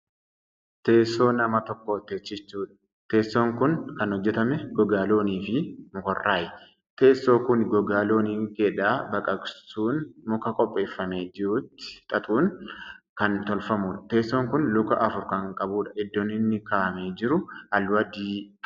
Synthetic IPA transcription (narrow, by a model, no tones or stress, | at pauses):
t̪e̞ːsːo̞ːnɐmɐt̪ɔkːoːt̪eːt͡ʃːɪt͡ʃːuːᶑɐ̥ | t̪e̞ːsːoːŋkʊnkɐnhɔd͡ʒːɛt̪ɐmɛɡɔɡaːlo̞ːniːfɪmʊkɔrːaːjɛ | t̪e̞ːsːo̞ːkʊnɡɔɡaːlo̞ːniːŋkeːᶑaːbɐkʼɐɡsuːnmʊkɐkʼɔpʼːe̞ːfːɐme̞ːd͡ʒɪɾuːt̪ːɪ̥t̪ʼɐt̪ʼuːn | kɐnt̪ɔlfɐmuːᶑɐ̥t̪e̞ːsːoːŋkʊnlʊkɐʔɐfʊɾkɐŋkʼɐbuːᶑɐʔɪd̪ːɔnɪnːɪkaːʔɐmeːd͡ʒɪɾʊɐlwɐd̪iː